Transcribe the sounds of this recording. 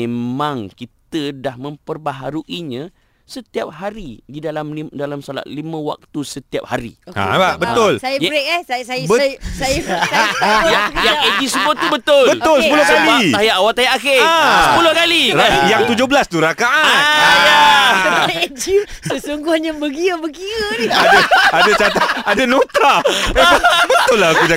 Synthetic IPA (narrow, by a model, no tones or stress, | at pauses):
ẽmãŋkit̪ədahmə̃mpərbaɦaɾuʔiɲã | sət̪iap̚haɾididalamidalamsala̰t̪̚limə̃wa̰k̚t̪usət̪ia̰p̚haɾḭa̰abəʊlsajaɾeʔɛhsasabəsajasajajaŋed͡ʒisəbʊubət̪ʊlbət̪ʊlsəpulohkaliajaʔawat̪ajaʔakesəpulohkaliajaŋt̪ud͡ʒoɦbəlast̪uɾakaʔanjaaed͡ʒisəsuŋɡʊhɲabəɡiəbəɡiəadaadat͡ʃat̪aadanot̪ɾapakanabət̪ʊlaakud͡ʒa